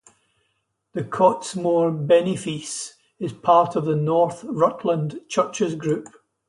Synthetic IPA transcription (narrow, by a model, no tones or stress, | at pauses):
ðəkʰɔtsmoɹbɛnɪfis | ɪz̥pʰaɹtəvðənɔɹθɹʌʔʰlˠə̃ndt͡ʃʰɜ˞t͡ʃəzɡɹʉp̚